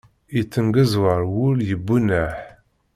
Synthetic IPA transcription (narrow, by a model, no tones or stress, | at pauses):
it͡sːəŋɡəzwɑɾˤwʊljəbːunæħ